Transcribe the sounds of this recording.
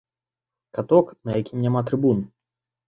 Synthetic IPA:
kat̪ɔknɐjakʲimnʲamat̪ɾɨbun

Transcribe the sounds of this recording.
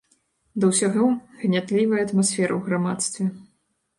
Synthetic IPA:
d̪ɐwsʲaɣɔɣnʲat̪lʲivɐjɐɐt̪masfʲɛɾɐ̰wɣɾamat̪st̪vʲɛ

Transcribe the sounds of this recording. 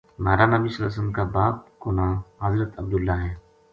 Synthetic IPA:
maːɾanɐbisɐlːa̰səmkabaːp̚kʊnaːɦɐzɾət̪ɐb̚d̪ʊlːaːɦɛː

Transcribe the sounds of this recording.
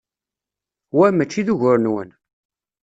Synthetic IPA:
wæmət͡ʃːiðuʝʊɾnwə̰n

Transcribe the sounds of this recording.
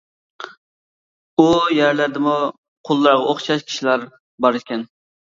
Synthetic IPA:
ujæɾlæɾd̪ɪmu | qʰolˠːɑɾʁɑoχʃɑʃkʲʰi̥ʃilæɾ | bɑɾɪʃkʲɛn

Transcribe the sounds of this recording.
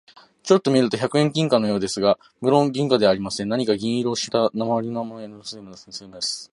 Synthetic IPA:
t͡ɕo̞t̪ːo̞mʲiɾɯ̟t̪o̞çakɯ̟ẽ̞ŋkʲĩŋkano̞jo̞ːd̪e̞sɨɡa | mɯ̟ɾõ̞ŋɡʲĩŋkad̪e̞aːɾʲimasẽ̞naɲ̟ikaɡʲĩɰ̃iɾo̞ːɕi̥t̪anamaβaɾʲinoamoensɨemonsẽseːnd̪esɨ̥

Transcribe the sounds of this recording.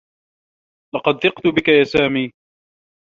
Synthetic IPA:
lɑqɑd̪̚θɪqt̪ʊbɪkajaːsaːmiː

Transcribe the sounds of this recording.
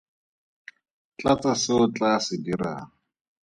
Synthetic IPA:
t͡ɬʼat͡sʼasɪʊt͡ɬʼasɪdira̰ːŋ̩

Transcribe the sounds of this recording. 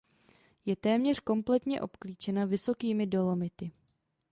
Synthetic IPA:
jɛt̪ɛːmɲɛr̝̥ko̞mplɛt̪ɲɛ̰ʔo̞pkliːt͡ʃɛnavɪso̞kiːmɪdo̞lo̞mɪt̪ɪ

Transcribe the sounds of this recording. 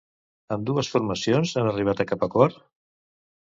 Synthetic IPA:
əmd̪uəsfuɾməsijonzanəriβ̞at̪əkapəkɔɾ

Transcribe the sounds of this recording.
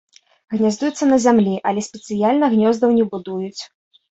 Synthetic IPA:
ɣnʲazʲd̪ujut̪sːɐnɐzʲamlʲiʔɐlʲɛsʲpʲɛt̪sɨjalʲnɐɣnʲɔzd̪ɐwnʲɛbud̪ujut͡sʲ

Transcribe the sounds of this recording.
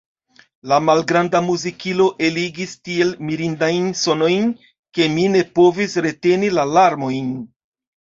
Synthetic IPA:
lamalɡɾandamuzikilo̞ʔe̞liɡistie̞lmiɾindajnso̞no̞jn | ke̞mine̞po̞visɾe̞te̞nilalaɾmo̞jn

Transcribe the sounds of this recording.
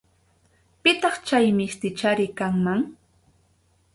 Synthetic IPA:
pɪt̪ɑχt͡ʃajmɪst̪ɪt͡ʃaɾɪkaŋmaŋ

